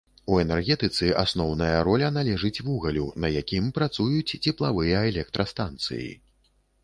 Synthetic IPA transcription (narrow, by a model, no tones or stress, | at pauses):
uɛnɛrɣʲɛt̪ɨt̪sɨʔasnɔwnɐjɐɾɔlʲɐnalʲɛʐɨt͡sʲvuɣɐlʲunɐjakʲimpɾat̪sujut͡sʲt͡sʲɛplˠavɨjɐɛlʲɛk̚t̪ɾʔɐst̪ant̪sɨ̰jḭ